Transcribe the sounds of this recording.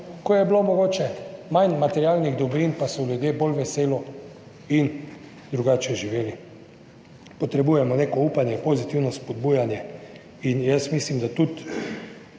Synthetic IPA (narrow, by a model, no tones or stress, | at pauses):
kojɛblomɔɡoːt͡ʃɛmanmat̪ɛɾijalniɣd̪ɔbɾinpasɔljud̪jeːbolʋɛseːlɔ | in | d̪ɾuɡaːt͡ʃɛʒiʋeːli | pɔt̪ɾɛbuːjɛmɔneːkɔuːpanjɛpozit̪iwnɔspɔd̪̚buːjanjɛ | injəsmislimd̪at̪ut̪